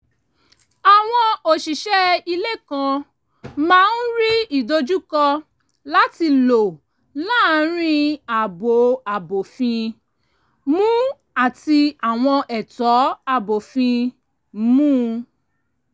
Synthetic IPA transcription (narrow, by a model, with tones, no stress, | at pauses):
a˨w̃ɔ̃˧o˨ʃi˨ʃɛ˦i˧le˦kã˧ | mãː˦˧˦n̩˦ɾi˦i˨do˧d͡ʒu˦kɔ˧ | la˨˦ti˧lo˨ | la˦ɾ̃ĩ˦a˨bo˨a˨bo˨fĩ˧ | mũ˦ | a˦˨ti˧a˨w̃ɔ̃˧ʔɛ˨tɔ˨˦a˦˨bo˨fĩ˧ | mũː˦